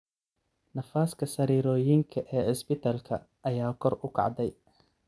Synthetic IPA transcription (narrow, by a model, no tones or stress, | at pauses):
nɐfaːskʰɐsɐɾiːɾɔːjɪŋkʰɐʔɛːɪsbɪt̪ʰaːlkʰɐ | ʔɐjaːkʰɔrʊkʰɑ̰ʕd̪ɛj